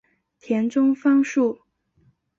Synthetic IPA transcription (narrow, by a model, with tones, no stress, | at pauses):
t̪ʰjɛ˧˥nʈ͡ʂʊ˥ŋfɑ˥ŋʂu˥˩